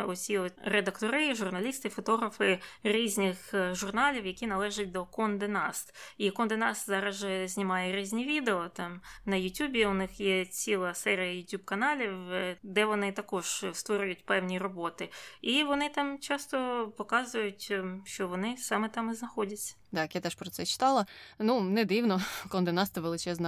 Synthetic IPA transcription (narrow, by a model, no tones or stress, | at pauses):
ɔt͡sʲiɔred̪ɐkt̪ɔɾɪʒʊrnɐlʲist̪ɪfɔt̪ɔɦɾɐfɪɾʲizʲnʲɪxʒʊrnɑlʲiwjɐkʲinɐlˠɛʒɐt̚ʲd̪ɔkɔnd̪enɑst̪ikɔnd̪enɑst̪zɑɾɐʒɛzʲnʲimɑjɛɾʲizʲnʲiʋʲid̪eɔt̪ɑmnɐjʊtʲubʲiʊnɪxjɛt͡sʲilˠɐsɛɾʲijɐjʊtʲubkɐnɑlʲiwd̪ɛʋɔnɪt̪ɐkɔʒ̥st̪ʋɔɾʲʊjʊtʲpɛwnʲirɔbɔt̪ɪiʋɔnɪt̪ɑmt͡ʃɑst̪ɔpɔkɑzʊjʊtʲʃt͡ʃɔʋɔnɪsɑmɛt̪ɑmɪznɐxɔdʲɐt͡sʲːɐ̥t̪ɑkjat̪ɛʃpɾɔt̪sɛt͡ʃɪ̥t̪ɑlˠɐnunɛd̪ɪwnɔkɔnd̪enɑst̪ɐʋelˠɪt͡ʃɛznɐ